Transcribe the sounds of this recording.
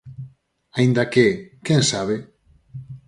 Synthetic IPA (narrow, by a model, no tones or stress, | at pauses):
aind̪akekẽŋsaβe